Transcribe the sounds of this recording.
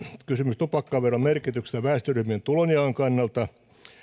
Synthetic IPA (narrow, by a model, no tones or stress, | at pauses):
kysymyst̪upɑkːɑːʋʋerːommerkit̪ykst̪æʋæːst̪øryhmient̪uloniɑːŋkɑnːɑlt̪ɑ